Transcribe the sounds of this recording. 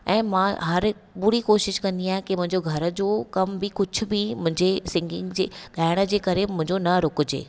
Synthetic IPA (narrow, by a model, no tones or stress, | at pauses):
ɛ̃ːmãɦɐɾɓʊɽikoːʃɪʃkɐ̃nd̪iaːɦɪ̃kimʊ̃ɦɪ̃ɲd͡ʑoɡʱɐɾə̆d͡ʑokɐmbɪkʊd͡ʑʱʰʊ̆bɪmʊ̃ɦɪ̃ɲd͡ʑesɪ̃ŋɡɪ̃ŋɡd͡ʑeːɠaːɪɽ̃ə̆d͡ʑeːkɐɾemʊ̃ɦɪ̃ɲd͡ʑonɐɾʊkʊd͡ʑḛː